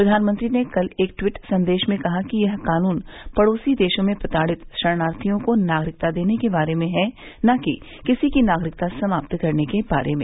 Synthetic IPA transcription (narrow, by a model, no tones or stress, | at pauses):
ppɾɐd̪ʱaːnmə̃nt̪ɾinekɐleːk̚ʈwɪʈsɐ̃nd̪eːʃmẽkɐɦakijɐɦkaːnuːnpɐɽoːsid̪eːʃõmẽpɾɐt̪aːɽɪt̪ʃɐɾnaːɾt̪ʰijõkonaːɡɾɪk̚t̪ad̪eːnekebaːɾemẽɦɛnaki | kɪsikinaːɡɾɪkt̪asɐmaːpt̪kɐɾnekeba̰ːɾḛmẽː